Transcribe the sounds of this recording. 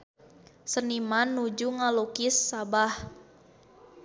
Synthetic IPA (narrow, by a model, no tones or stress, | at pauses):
sənimanːud͡ʒuŋalukisːabah